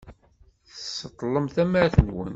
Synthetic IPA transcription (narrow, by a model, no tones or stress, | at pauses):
θəsːət̪ˤːləmθæmæɾθənwə̰n